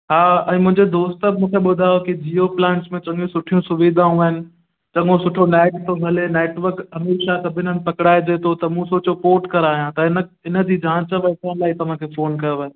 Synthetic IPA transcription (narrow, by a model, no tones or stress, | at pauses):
ɦaːɛ̰̃ːmʊ̃ɦɪ̃ɲd͡ʑed̪oːst̪əbmũːkʰeɓʊd̪ʱaːjokid͡ʑiːoplɛ̃ːɳʈsmẽt͡ɕɐ̃ŋɡũsʊʈʰijũsʊʋiːd̪ʱaːũəɦɪnɪ̆ | t͡ɕɐ̃ŋɡõsʊʈʰoneːʈt̪ʰoɡʱɐleneːʈʋəɾkɐmeːɾʃasɐbʱɪn̤ənɪ̆pɐkɽaːed͡ʑeːt̪ʰot̪ɐmũsoːt͡ɕopoːʈkɐɾaːijãt̪ɐɪnə | ɪnə̆d͡ʑid͡ʑãːt͡ɕəʋɐt̪ʰanlaːɦit̪ɐʋ̤ãkʰefoːnkɐjoʋa